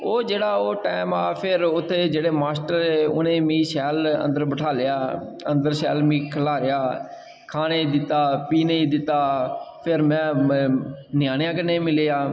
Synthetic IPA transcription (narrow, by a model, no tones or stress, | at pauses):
oːd͡ʒeːɽaːoːʈɛːmaːpʰɪɾʊt̪ʰːeːd͡ʒeːɽeːmaːsʈəɾeːʊ̰nẽːmĩːʃɛːlə̰̃nd̪əɾbəʈʰaːlɪaːə̰̃nd̪əɾsɛːlmĩːkʰəlaːɾɪjaː | kʰaːneːid̪ɪt̪ːaːpiːneːiːd̪ɪt̪ːaːpʰɪɾmɛ̃ː | nɪjaːnjãːkənẽːmɪleːaː